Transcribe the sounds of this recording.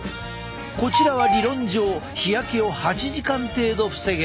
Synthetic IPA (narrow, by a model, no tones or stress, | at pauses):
ko̞t͡ɕiɾaβaɾʲiɾõ̞ɲ̟d͡ʑo̞ːçijakʲeo̞hat͡ɕiʑikãnt̪e̞ːd̪o̞ɸɯ̟̥se̞ɡe